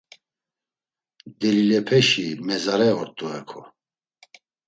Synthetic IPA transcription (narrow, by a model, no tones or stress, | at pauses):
d̪ɛlilɛpʰɛʃimɛzaɾɛɔɾt̪ʼɔɛkʰɔ